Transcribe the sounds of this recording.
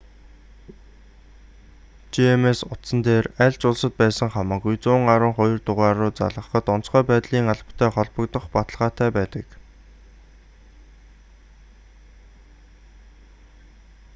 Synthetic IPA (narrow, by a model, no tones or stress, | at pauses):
t͡ɕiemesʊt̪sə̆nt̪eːræɮt͡ɕʊɮsə̆t̪̚pæːsə̆ŋχamaːɣujt͡sʊːŋaɾə̆ŋχɔjɞ̆rt̪ʊʁaːɾʊːt͡sa̰ɮʁə̆χə̆t̪ʊn̥sχœːpæːt̪ɮiːŋaɮpʰt̪ʰæːχɔɮpə̆kt̪ə̆χpat̪ə̆ɮʁaːt̪æːpæːt̪ə̆k